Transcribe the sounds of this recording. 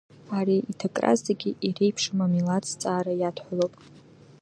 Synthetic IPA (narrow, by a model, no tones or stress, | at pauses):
aɾiʔitʰakʼra̰zaɡʲiʔire̞jpʰʂɨmamilat͡sʰʼt͡sʼaːɾajatʰħʷalopʼ